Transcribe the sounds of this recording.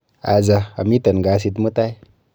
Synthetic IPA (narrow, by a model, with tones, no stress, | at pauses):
a˨za˧a̰˨mi˦t̪ə˨nɡa˨s̬i˧t̪mə˦t̪a˦j